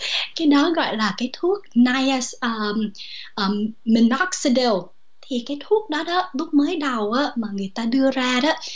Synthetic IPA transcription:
kaː˨˦jɗɔ˨˦ɣɔ̰˧˨jlaː˨˩kaː˨˦jt̪ʰu˦˥ək̚na˧jə˨sʔəː˧˩ʔəː˨˩mi˧˩nɔ˦˥k̚si˧ɗə˨˩w | t̪ʰi˨˩kaː˨˦jt̪ʰu˦˥ək̚ɗɔ˨˦ɗɔ˨˦lʊ˦˥k͡p̚məː˨˦jɗə˨˩wʔaː˨˦maː˨˩ŋɨ˨˩əjt̪aː˧ɗɨ˧əzaː˧ɗɔ˨˦

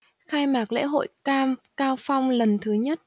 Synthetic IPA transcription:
xaː˧jmaː˨˩k̚lḛ˧˥ɦo̰˧˨jkaː˧mkaː˧wfa˧wŋ͡mlə˨˩nt̪ʰɨ˨˦ɲə˦˥t̚

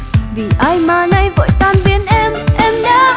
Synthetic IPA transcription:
vi˨˩ʔaː˧jmaː˨˧˩na˧jvə̰ː˧˨jt̪aː˧nɓi˨˦ənʔɛ˧mʔɛ˧mɲa˧˥

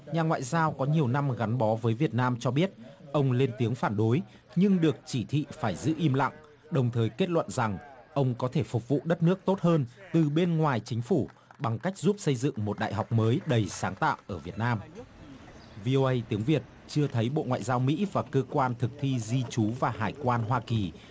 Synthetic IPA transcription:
ɲaː˨˩ŋwa̰ː˧˨jzaː˧wkɔ˨˦ɲi˨˩əwna˧mɣa˨˦nɓɔ˨˦vəː˨˦jvi˨˩ət̚naː˧mt͡ɕɔ˧ɓi˦˥ət̚ʔə˧wŋ͡mle˧nt̪i˨˦əŋfaː˧˩nɗo˨˦j | ɲɨ˧ŋɗɨ˨˩ək̚t͡ɕi˧˩t̪ʰḭ˧˨faː˧˩jzɨ̰˧˥ʔi˧mla̰˧˨ŋ | ɗə˨˩wŋ͡mt̪ʰəː˨˩jke˦˥t̚lwə̰˧˨nza˨˩ŋʔə˧wŋ͡mkɔ˨˦t̪ʰe˧˩fʊ˨˩k͡p̚vṵ˧˨ɗə˦˥t̚nɨ˦˥ək̚t̪o˦˥t̚həː˧nt̪ɨ˨˩ɓe˧nŋwaː˨˩jt͡ɕï˨˦ŋ̟fu˧˩ɓa˨˩ŋka˦˥jk̟̚zu˦˥p̚sə˧jzɨ̰˧˨ŋmo˨˩t̚ɗa̰ː˧˨jɦa˨˩wk͡p̚məː˨˦jɗə˨˩jsaː˨˦ŋt̪a̰ː˧˨wʔəː˧˩vi˨˩ət̚naː˧m | vi˧ʔo˧ʔə˧jt̪i˨˦əŋvi˨˩ət̚ | t͡ɕɨ˧ət̪ʰə˨˦jɓo̰˧˨ŋwa̰ː˧˨jzaː˧wmḭ˧˥vaː˨˩kəː˧kwaː˧nt̪ʰɨ˨˩k̚t̪ʰi˧zi˧t͡ɕu˨˦vaː˨˩ɦaː˨˩jkwaː˧nɦwaː˧ki˨˩

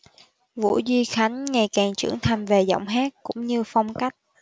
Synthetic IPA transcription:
vṵ˧˥zwi˧xa˨˦jŋ̟ŋa˨˩jkaː˨˩ŋt͡ɕɨ̰˧˩əŋt̪ʰa˧mve˨˩zɔ̰˧˨wŋ͡mɦaː˦˥t̚kʊ̰˧˥ŋ͡mɲɨ˧fa˧wŋ͡mka˦˥jk̚

